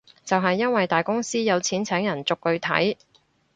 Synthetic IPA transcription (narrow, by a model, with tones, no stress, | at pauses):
t͡sɐ˨wɦɐ˨jːɐ˥nwɐ˨jt̪aː˨jkʊ˥ŋsiː˥jɐ˨˧wt͡sʰiː˨˥nt͡sʰɛː˨˥ŋjɐ˨˩nt͡sʊ˨kːɵ˨˧ɥt̪ʰɐ̰˨˥j